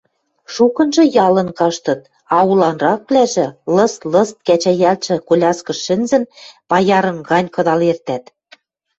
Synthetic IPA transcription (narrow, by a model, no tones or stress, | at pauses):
ʃukɤ̆nʒɤ̆jɑlɤ̆nkɑʃt̪ɤ̆t̪̚ | ɑulɑnrɑk̚plæʒɘ̆lɤ̆slɤ̆st̪̚kæt͡ɕæjælt͡ɕɘ̆kolʲɑskɤ̆ʃɘ̆nzɘ̆npɑjɑɾɤ̆ŋɡɑnʲkɤ̆d̪ɑlert̪æt̪